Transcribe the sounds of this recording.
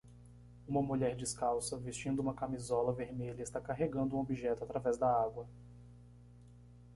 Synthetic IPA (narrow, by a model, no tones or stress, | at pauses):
ũmɐmuʎɛɾd͡ʒɪskawsɐvist͡ʃĩnd̪ʊũmɐkamizɔlɐveɾmeʎɐist̪akaɦeɡɐ̃nd̪ʊũobiʒɛt̪ʊat̪ɾavɛzd̪ɐaɡwɐ